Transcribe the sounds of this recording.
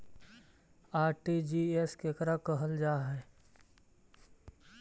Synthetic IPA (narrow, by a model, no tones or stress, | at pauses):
aːɾʈid͡ʒiːeskekəɾakəɦəld͡ʒaːɦɛː